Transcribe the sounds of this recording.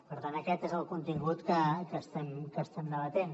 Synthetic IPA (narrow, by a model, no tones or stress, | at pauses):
pəɾt̪anəkɛt̪ezəlˠkunt̪iŋɡut̪kəkəst̪ɛmkəst̪ɛmd̪əβət̪en